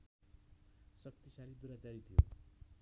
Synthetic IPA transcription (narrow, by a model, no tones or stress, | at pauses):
sʌk̚t̪isalid̪uɾat͡saɾit̪ʰijo̰